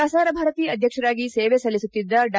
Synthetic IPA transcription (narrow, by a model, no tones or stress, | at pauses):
aːsaːɾɐbʱaːɾɐt̪iːɐd̪ʱjɐkʂɐɾaːɡiseːʋesɐlːisut̪ːid̪ːɐɖ